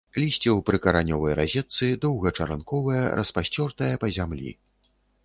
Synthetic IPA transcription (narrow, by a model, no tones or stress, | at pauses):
lʲisʲt͡sʲɛwpɾɨkɐɾanʲɔvɐjɾazʲɛt̪sɨd̪ɔwɣɐt͡ʂɐɾankɔvɐjɐɾɐspasʲt͡sʲɔrt̪ɐjɐpɐzʲamlʲḭ